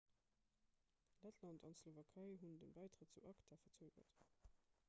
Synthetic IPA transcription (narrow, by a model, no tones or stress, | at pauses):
lætʰlɑntʰɑntslovɑkʰɑɪɦundənbæɪtʁət̚t͡suʔɑktʰafɐt͡søːɡɐ̰t